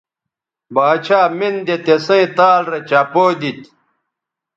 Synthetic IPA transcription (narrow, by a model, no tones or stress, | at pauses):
baːt͡ɕʰaːmind̪et̪esɐ̃ĩt̪aːlɾɐt͡ɕapoːd̪it̪